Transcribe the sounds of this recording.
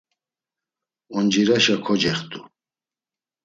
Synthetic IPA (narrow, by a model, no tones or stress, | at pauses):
ɔnd͡ʒiɾaʃakʰɔd͡ʒɛχt̪ʼu